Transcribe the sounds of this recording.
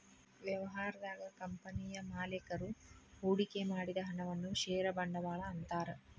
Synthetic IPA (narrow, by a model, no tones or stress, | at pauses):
ʋjɐʋɐɦaːɾɐd̪aːɡɐkɐmpɐniːjɐmaːlekɐɾuuːɽikemaːɽid̪ɐɦɐɳɐʋɐnːuʃeːɾɐbɐɳɖɐʋaːɭɐːnt̪aːɾɐ